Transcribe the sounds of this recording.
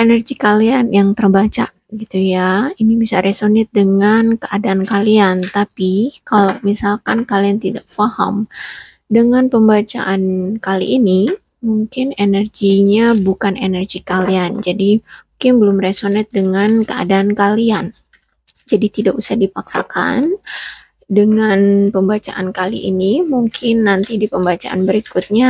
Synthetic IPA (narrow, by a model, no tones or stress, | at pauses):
ʔenərɡikalianjaŋt̪ərbat͡ʃa̰ | ɡit̪ujainibisaɾesonɛt̪̚dəŋankəadaːnkaliant̪apikalawmisalkankaliant̪idaʔ̚faha̰m | dəŋanpəmbat͡ʃa̰ʔankalḭʔːni | muŋkɪnenərɡiɲabukanenərɡikaliand͡ʒadimuŋkɪnbəlʊmresonɛt̪̚dəŋankəa̰daːnkalian | d͡ʒadit̪idakusahdipaksaka̰n | dəŋanpəmbat͡ʃaʔankalḭʔḭnimuŋkʰɪnːant̪idipəmbat͡ʃa̰ʔanbəɾikʊt̪̚ɲa